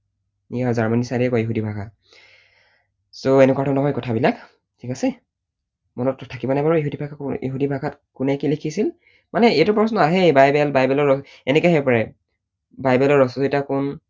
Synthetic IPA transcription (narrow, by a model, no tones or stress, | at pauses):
ijazaɹmanisaɹiɛkɔjiɦudibʱaɡʰa | soɛnɛkwatʰɔnɔɦɔjkɔtʰabilak | tʰikasɛ | mɔnɔtʰːakibɔnajbaɹɔiɦudibʱaɡʰaḭɦudibʱaɡatkunɛkilekʰisil | manɛetʊpɹɔsnɔaɦɛbajbɛlbajbɛlɔɹɔ | ɛnɛkɔɦɛpɔɹɛ | bajbɛlɔɹɔsɔzitakun